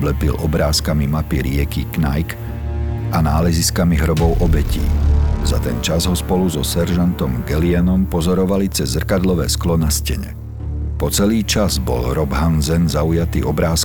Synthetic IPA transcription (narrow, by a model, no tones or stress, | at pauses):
blɛpḭlʔɔbɾaːskamimapiɾɪɛkiknajk | anaːlɛziskamiɦɾɔbɔʊʔɔbɛcḭːzat̪ɛnt͡ʃazɦɔspɔluzɔsɛɾʒant̪ɔmɡɛliɛnɔmpɔzɔɾɔʋalit͡sɛzːr̩kad̪lɔʋɛ̰ːsklɔnascɛ̰ɲɛ̰ | pɔt͡sɛliːt͡ʃazbɔ̰lɾɔbɦanzɛnzaujat̪ḭːɔbɾaːs